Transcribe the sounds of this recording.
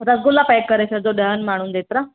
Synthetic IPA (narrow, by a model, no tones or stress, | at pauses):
ɾəsɡulːapajkːəɾasad͡zoɖəɦənmaɽ̃uːnd̪et̪ɾa